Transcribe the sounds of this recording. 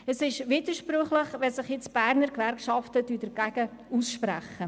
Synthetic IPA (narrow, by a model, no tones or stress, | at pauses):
əsɪʃʋiːdəɾʃpɾʏχləχʋɛsɪχjɪt͡sb̥æɾnəɾkʋæɾkʃɑftəd̥yːd̥ɛɾɡ̥æɡ̥ə | usʃpɾæ̰χə